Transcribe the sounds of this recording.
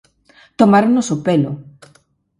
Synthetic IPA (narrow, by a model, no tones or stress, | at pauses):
t̪omaɾonosopelo̰